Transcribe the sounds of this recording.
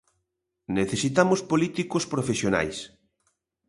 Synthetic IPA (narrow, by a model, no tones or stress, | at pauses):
neθesit̪amospolit̪ikospɾofesjona̰js